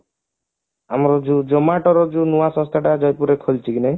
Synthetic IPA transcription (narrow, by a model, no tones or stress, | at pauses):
amɔɾɔd͡ʒud͡ʒɔmaʈɔɾɔd͡ʒunuasɔ̃st̪ʰaʈad͡ʒɔjpuɾekʰolt͡ʃʰikine